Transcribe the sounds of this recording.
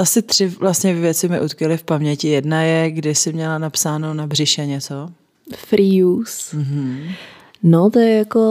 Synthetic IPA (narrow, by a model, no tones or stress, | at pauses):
ʔasɪt̪r̝̥ɪvlast̪ɲɛvjɛt͡sɪmɪʔut̪kɛlɪfpamɲɛcɪjɛdnajɛɡdɪsɪmɲɛlanapsaːnonabrɪʃɛɲɛt͡so | fɾijus̩ɦ̩ | not̪ojɛjako